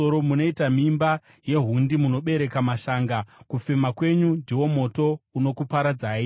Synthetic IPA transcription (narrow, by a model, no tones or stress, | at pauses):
oɾomuno̞itamimba | je̞ɦundimuno̞ɓe̞ɾe̞kamaʃaːŋɡakufemakwe̞ɲundʱiwo̞mo̞to̞uno̞kupaɾad͡zaːi